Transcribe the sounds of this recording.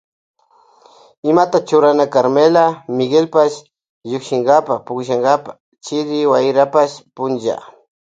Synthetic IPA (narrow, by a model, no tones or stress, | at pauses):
ɪmat̪at͡ʃʊɾanakaɾmelamɪɡelpaʃ | jokʃɪŋɡapapʊkʃaŋɡapḁ | t͡ʃɪɾɪwajɾapaspʊnt͡ʃa̰